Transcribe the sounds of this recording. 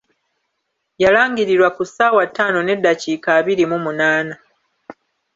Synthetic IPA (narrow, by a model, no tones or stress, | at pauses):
jalaːŋɡiɾiɾwakusaːwatːaːno̞ne̞dːaciːkaːβiɾimumunaːna